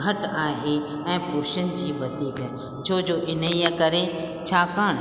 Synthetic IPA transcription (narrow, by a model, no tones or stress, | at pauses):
ɡʱɐʈaːɦe | ɛ̃ːpʊɾʃənd͡ʒiːʋɐt̪iːɡɐ | d͡ʒoːd͡ʒoːʔɪnəijəkɐɾe | t͡ʃʰaːkaːɽ